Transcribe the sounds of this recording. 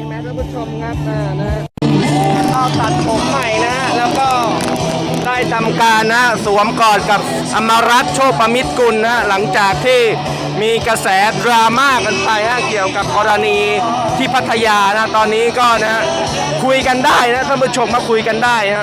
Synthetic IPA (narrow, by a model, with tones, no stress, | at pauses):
mːʰ˦˥aː˥˩mbu˧˥˩t͡ɕʰo˧mkʰa˦˥p̚na˦˥˩na˦˥˩ | t̪ʰaː˨˦t̪a˨˩t̪̚pʰo˨˩˦mːa˨˩jna˦˥lɛː˦˥wkɔː˥˩ | daː˥˩jt̪ʰa˧mkaː˧nːa˦˥su˩˦əmkɔː˨˩nka˨˩p̚ | ʔa˧mːa˧ɾa˦˥t̪̚t͡ɕʰoː˥˩k̚pːa˧mi˦˥t̪̚ku˧nːa˦ɦa˥la˩˦ŋt͡ɕaː˨˩k̚t̪ʰiː˥˩ | miː˧ka˧sɛː˩˦t̪̚ɾaː˧maː˥˩k̚ʔa˧npa˧jna˦˥ki˨˩əwka˨˩p̚kɔː˧ɾa˧niː˧ | t̪ʰiː˥˩pʰa˦˥t̪ʰːa˧jaː˧na˦˥t̪ɔː˧nːiː˦˥kɔː˥˩na˦a˥ʔ | kʰu˧jka˧ndaː˥˩jna˦˥t̪ʰaː˥˩pʰu˧˩t̪̚t͡ɕʰo˧maː˧˥˩kʰu˧jka˧ndaː˥˩jna˦˥